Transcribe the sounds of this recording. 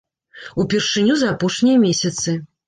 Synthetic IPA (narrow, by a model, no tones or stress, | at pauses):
upʲɛrʂɨnʲuzɐapɔʂnʲijɐmʲesʲɐt̪sɨ